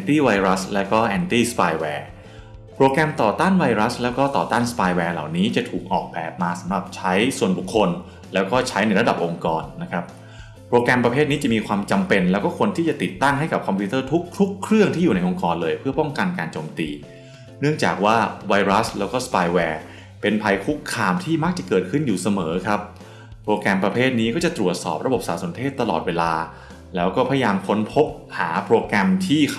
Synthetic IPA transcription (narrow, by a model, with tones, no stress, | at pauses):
ʔɛ˧nt̪iː˥˩wa˧jɾa˦˥slɛː˦˥wkɔː˥˩ʔɛː˧nt̪iː˥˩spaː˧jwɛː˧˩ | pʰɾoː˧kɛ˧mt̪ɔː˨˩t̪aː˥˩nwa˧jɾa˦˥slɛː˦˥wkɔː˥˩t̪ɔː˨˩t̪aː˥˩nspaː˧jwɛː˧la̰˨˩wniː˦˥t͡ɕa˨˩t̪ʰuː˨˩k̚ʔɔː˨˩k̚bɛː˨˩p̚maː˧sa˩˦mɾa˨˩p̚t͡ɕʰa˦˥jsu˨˩ənbu˨˩kʰːo˧n | lɛː˦˥wkɔː˥˩t͡ɕʰa˦˥jna˧jɾa˧da˨˩p̚ʔo˧ŋkɔː˧nːa˦˥kʰɾa˦˥p̚ | pʰɾoː˧kɛ˧mpɾa˧pʰeː˥t̪̚niː˦˥t͡ɕa˨˩miː˧kʰwaː˧mt͡ɕa˧mpe˧nlɛː˦˥wkɔː˥˩kʰo˧nt̪ʰiː˥˩t͡ɕa˨˩t̪i˨˩t̪ːa˥˩ŋɦa˥˩jka˨˩p̚kʰɔ˧mpʰuː˦˥t̪ɤː˥˩t̪ʰu˦˥kʰtʰu˦˥kʰːɾɯ˥˩əŋt̪ʰiː˥˩uː˨˩na˧jʔo˧ŋkɔː˧nlɤː˧jpʰɯ˥˩ɐpɔ˥˩ŋka˧nkaː˧nt͡ɕoː˧mt̪ḭː˧ | nɯ˥˩əŋt͡ɕa̰ː˨˩k̚waː˥˩wa˧jɾa˦˥slɛ̰ː˦˥wkɔː˥˩spaː˧jwɛː˧ | pe˧npʰa˧jkʰu˦˥kʰːaː˧mt̪ʰiː˥˩ma˦˥k̚t͡ɕa˨˩kɤː˨˩t̪̚kʰɯ˥˩njuː˨˩sa˧mɤː˩˦kʰɾa˦˥p̚ʰː | ɾoː˧kɛ˧mpɾa˧pʰeː˥˩t̪̚niː˦˥kɔː˥˩t͡ɕa˨˩t̪ɾu˨˩ət̪̚sɔ̰ː˨˩p̚ɾa˧bo˨˩p̚sa̰ː˩˦˥so˩˦nt̪ʰeː˥˩t̪ːa˧lɔ̰ː˨˩t̪̚weː˧laː˧ | lɛː˦˥wkɔː˥˩pʰa˧ja˧jaː˧mkʰo˦˥npʰo˦˥p̚ | ha̰ː˩˦pʰɾoː˧kɛ˧mt̪ʰiː˥˩